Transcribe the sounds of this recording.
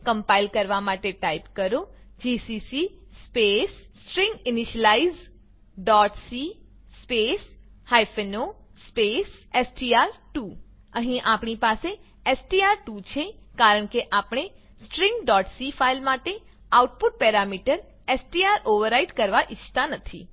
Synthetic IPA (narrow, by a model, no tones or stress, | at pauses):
kəmpailkəɾʋamaʈeʈaipkəɾo | d͡ʒisisispesːʈɾĩŋɡɪniʃəlaiz | ɖɔʈsi | speshajfeno | spesesʈiaɾʈu | əɦĩʔapɳipase | esʈiaɾʈut͡ʃʰekaɾəɳkeʔapɳ̃e | sʈɾĩŋɡɖɔʈsifʰailmaʈe | auʈpʊʈ̚pɛɾamiʈəɾ | esʈiaɾʔoʋəɾaiɖkəɾʋaʔɪt͡ʃʰt̪anət̪ʰḭ